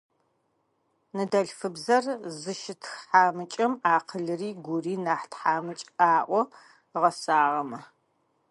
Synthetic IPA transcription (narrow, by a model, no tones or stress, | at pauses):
nɨdɐɬfɨbzɐrzɨʃɪtʰxħaːmɨt͡ʃʼɐmaːqʰəɮɨriːɡʷʊriːnaːħtħaːmɨt͡ʃʼaːʔʷɔ | ʁɐsaːʁɐmɐ